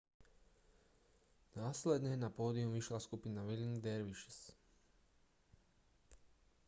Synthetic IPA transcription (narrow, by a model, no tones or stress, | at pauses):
naːsled̪nejnapod̪iuʋiʃlaskupinaʋilŋd̪eɾʋiʃis